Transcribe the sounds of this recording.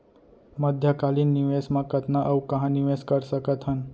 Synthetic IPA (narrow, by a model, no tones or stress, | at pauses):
məd̪ʱjəkalinːiʋesmãkət̪naʔəʋkəɦãniʋeskəɾsəkət̪ɦən